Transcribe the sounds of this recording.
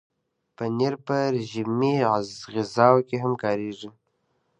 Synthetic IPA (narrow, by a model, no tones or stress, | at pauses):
pəneɾpəɾʒimiazɣɪzɑwkeɦamkɑɾeʐi